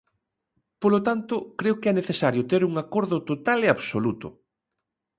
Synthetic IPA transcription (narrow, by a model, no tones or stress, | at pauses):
polot̪ant̪ʊkɾeokɪɛneθesaɾjʊt̪eɾuŋakoɾðʊt̪ot̪aleaβsolut̪ʊ̰